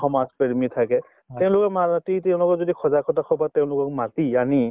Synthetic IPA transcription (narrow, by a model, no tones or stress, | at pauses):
xɔmaspeɹmitʰakɛ | tɛʊ̃lʊkɔmatitɛʊ̃lʊkɔzodikʰɔzakʰɔtakʰɔbatɛʊ̃lʊkɔk̚matiani